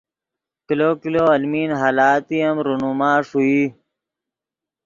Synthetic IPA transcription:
kiloːkiloːɐlmiːnɦaːlaːt̪ijɐmɾunumaːʂuiː

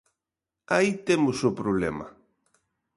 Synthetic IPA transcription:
ait̪emʊsʊpɾoβlɛ̰mɐ̰

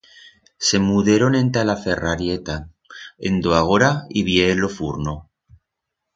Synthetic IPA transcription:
se̞muðeɾonẽ̞nt̪alafe̞raɾjet̪a | ḛnd̪oaɣ̞oɾaiβjeːlofuɾno

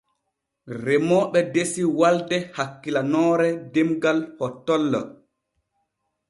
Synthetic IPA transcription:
ɾɛmɔɓɛdesiwaldɛhakːilanɔːɾɛdemɡalhɔtːɔlːɔ̰

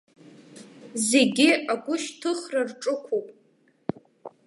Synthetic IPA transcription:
zeɡʲɪaɡʷʊʃtʰɨχrarʈ͡ʂʼɨkʷʰopʼ

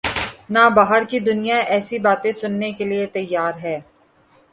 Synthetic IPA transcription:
naːbaːɦəɾkid̪ʊnijaʔɛːsibaːt̪ẽsʊnːekeliet̪ɐjːaːɾɦɛː

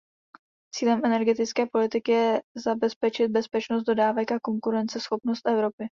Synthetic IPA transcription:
t͡siːlɛmʔɛnɛɾɡɛt̪ɪt͡skɛːpo̞lɪt̪ɪkɪjɛzabɛspɛt͡ʃɪt̪̚bɛspɛt͡ʃnos̬t̪̚do̞daːvɛkʔako̞ŋkuɾɛnt͡sɛsxo̞pnost̪ʔɛvɾo̞pɪ

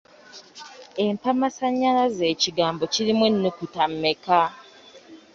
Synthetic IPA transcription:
e̞mpamasaɲːalaze̞ːciɡaːmbo̞ciɾimwenːukutamːeka

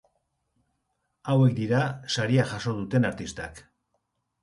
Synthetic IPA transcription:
awe̞k̚d̪iɾasaɾiaʝaso̞ð̞ut̪e̞naɾt̪ist̪a̰k

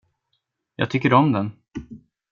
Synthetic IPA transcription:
jɑ̰ːɡ̚t̪ʰʏkːəɾɔmd̪ɛn

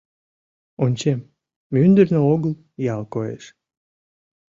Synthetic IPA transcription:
onʲt͡ɕemː | ynd̪ərnəoɣəl | jɑlkoḛʃ

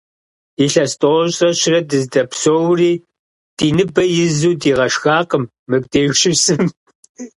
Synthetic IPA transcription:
iɬɐstʼowɔɕʼrɐɕɪrɐdɨzdɐpsowriː | d̥iːnɨbɐjɪzuːdiːʁɐʃxaːqəmːɨk̚deːʃʼɪsɨm

